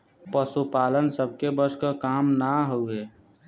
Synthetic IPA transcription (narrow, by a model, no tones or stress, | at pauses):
pəsupaːlənsəbʱkebəskəkaːmnaɦoeː